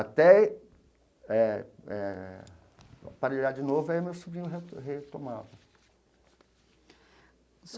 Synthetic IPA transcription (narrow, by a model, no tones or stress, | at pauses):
at̪ɛ | ɛɛ̰ | a̰paɾeʎad͡ʒɪnovʊɛʊmewsubɾĩɲʊɦeɦet̪omad̪ʊ | s